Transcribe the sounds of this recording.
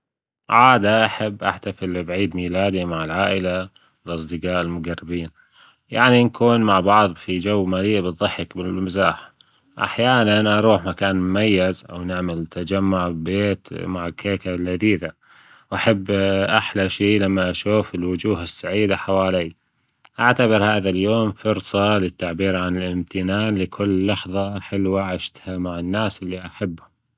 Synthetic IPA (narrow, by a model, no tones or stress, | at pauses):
ʕaːd̪aʔaħabːʔa̰ħt̪afɪlbʕiːd̪miːlaːd̪imaʕɪlʕaːʔɪla | wɪlʔɑsˤd̪ɪqɑːʔɪlmʊɡarːɪbiːn | ja̰ʕninkʰuːnmaʕbɑʕðˤfid͡ʒawːmaːɾiːabɨt̪ðˤːɑħɪkbɪlmɪzaːħ | ʔa̰ħjaːnanʔɑɾˤuːħmakaːnmʊmajːɪzʔa̰wnɪʕmɪlt̪ad͡ʒamːʊʕbeːt̪maʕɪlkʰeːkalʕad̪iːd̪a | wʔaħabːʔaħlaʃiːlamːaʔaʃuːfɪlwʊd͡ʒuːɦɪsːaʕiːd̪aħawaːliː | ʔaʕt̪abɪɾhaːðaljoːmfʊɾsˤɑlɪt̪ːaʕbiːɾʕanɪlʔɪmt̪ɪnaːnlɪkʰʊlːɑħðˤɑʔaħɪlːwaʕaʃt̪hamaʕɪnːaːsʔɪlːiʔaħabːhʊm